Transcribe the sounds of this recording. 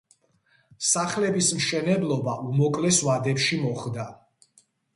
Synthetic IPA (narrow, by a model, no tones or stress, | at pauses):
saχlɛbismʃɛnɛblˠɔbaʔumɔkʼlɛswad̪ɛpʃimɔχd̪a